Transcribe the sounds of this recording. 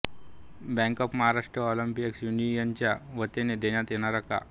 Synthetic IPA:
bɛ̃ŋkɔpməɦaɾaʂʈɾəɔləmpijəksjunijaɲt͡ɕjaʋət̪ened̪eɳjat̪jeɽ̃aɾaka̰

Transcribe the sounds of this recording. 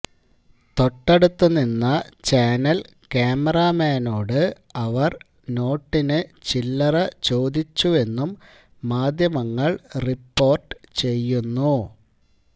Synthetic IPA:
t̪o̞ʈːeɽut̪ːunːinːɐt͡ɕaːnɐl | keːmɐraːmeːno̞ːɽɨ | ɐʋɐr | no̞ːʈːinɨt͡ɕilːɐrɐt͡ɕo̞ːd̪it͡ɕːue̞nːumː | aːd̪ʱjɐmɐŋːɐɭripːo̞ːrʈɨ̥t͡ɕe̞jːunːu

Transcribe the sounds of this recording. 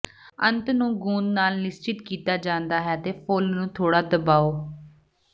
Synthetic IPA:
ənt̪nũːɡũːnnaːlnɪst͡ʃɪt̪kiːt̪aːd͡ʒãːnd̪aːɦɛːt̪eːpʰolnũːt̪ʰoːɽaːd̪əbaːoː

